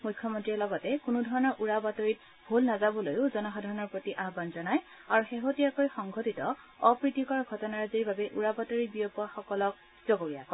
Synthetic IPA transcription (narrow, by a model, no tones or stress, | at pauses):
mujkʰːjɔmontɹiɔɹlɔɡɔtɛkʊnudʱɔɹɔnɔɹʔuɹabatoɹit̚ | bʱulnazabɔlojʊzɔnɔxɔdʱaɹɔnɔɹpɹotiʔaɦbanzɔnaj | aɹuxeɦotijakojxɔŋɡʱotitɔː | pɹitikɔɹɡʱɔtɔnaɹziɹbabɛʔuɹabatoɹibiɔpɔaxɔkɔlɔk̚ | zɔɡoɹijakɔ